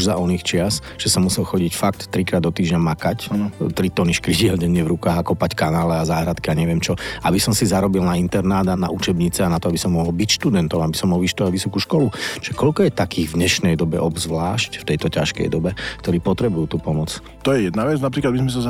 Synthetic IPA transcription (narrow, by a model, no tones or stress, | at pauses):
uʒzaʔɔnixt͡ʃɪas | ʒ̥ɛsɔmːusɛlxɔɟicfakt̪ːɾikɾaːd̪ɔt̪iːʒɲamakact̪ɾit̪ɔniʃkɾiɟɪɛlɟɛɲɪɛvɾukaːɣakɔpackanaːlɛazaːɦɾat̪kiaɲɛʋɪɛmt͡ʃɔʔabisɔmsizaɾɔbilnaint̪ɛɾnaːd̪ana̰ʔut͡ʃɛbɲit͡sɛanat̪ɔabisɔmːɔɦɔlbicʃt̪ud̪ɛnt̪ɔmabisɔmːɔlʋiʃt̪ɔaʋisɔkuʃkɔlut͡ʃʒ̥ɛkɔʎkɔjɛt̪akiːɣvdɲɛʃnɛjd̪ɔbɛ̰ʔɔbzʋlaːʃcft̪ɛjt̪ɔcaʃkɛ̰jd̪ɔbɛkt̪ɔɾiːpɔt̪ɾɛbujuːt̪uːpɔmɔt͡s | t̪ɔjɛjɛd̪naʋɛt͡snapɾiːklad̪bizmɛs̬aza